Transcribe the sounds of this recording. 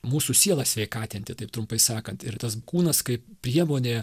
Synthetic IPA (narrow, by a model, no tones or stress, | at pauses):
muːsusʲiɛlˠɐsʲʋʲɛɪkɑːt̪ʲɪnʲt̪ʲɪt̪ɐɪpt̪ɾʊmpɐɪsɑːkɐnt̪ɪɾt̪ɐskuːnɐskɐɪppʲɾʲiɛmoːnʲeː